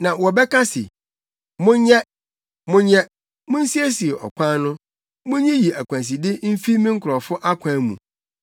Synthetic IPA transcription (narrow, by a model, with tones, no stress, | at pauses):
nã˨wɔ˨bɛ˦kʰa˦sɪ̰˨ | mʊ̃˦ɲɛ̃˦ | mʊ̃˦ɲɛ̃˦ | mʊ̃˦n̩˦si˦æ˦si˨e˨ʔɔ̰˨kʷʰã˦nʊ̃˦ | mʊ̃˦ɲɛ̃˦ji˨æ˨kʷʰã˨s̬i˨dɪ˦m̩˦fi˦mĩ˦ŋ̩˦kʰʊ˨ɾɔ˨fʊ˦ʔa˦kʷʰã˦mṵ̃˨